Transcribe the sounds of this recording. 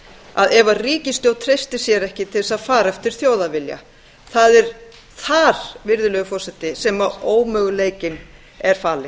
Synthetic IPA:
a̰ðɛvariːcɪst̪jowt̪ʰɾejst̪ɪsjɛɾɛhcɪt̪ʰɪɛsaðfaːɾɛft̪ɪɾ̥θjoːwðavɪlja̰ | θaðɛɾ̥ | θaɾ̥vɪɾðʏlœɣʏfɔrsɛt̪ɪsɛmaoːwmœːɣʏleːjcɪn | ɛɾ̥faːlɪ

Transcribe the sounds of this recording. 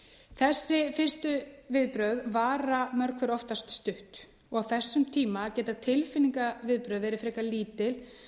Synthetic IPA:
θɛsːɪfɪr̥st̪ʏvɪðpɾœðvaːɾamœɾkʏɾɔft̪ast̪st̪ʏht̪ | ɔɣaθɛsːʏmt̪ʰiːmacɛːt̪at̪ʰɪlfɪniŋkavɪðpɾœðɛɾɪfɾɛːkaliːt̪ɪl

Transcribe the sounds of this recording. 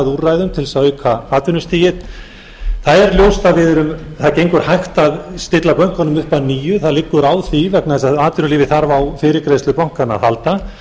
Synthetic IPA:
ðurajðʏmt̪ʰɪlsœkʰvaaːt̪ʏnʏst̪ʰiːjɪt̪ | θaðɛɾljowst̪aðvɪðɾʏm | θaðcejŋkʏɾ̥hajxt̪aðst̪ɪt̪lapœŋ̥kaɔnʏmʏhpaniːjʏθaðlɪkːʏɾaːwθivɛknaðɛsaðaːt̪vʏnʏliːvɪθaɾvawfɪːɾɪkɾejst̪ʏpawŋ̥kana̰ðhalt̪a

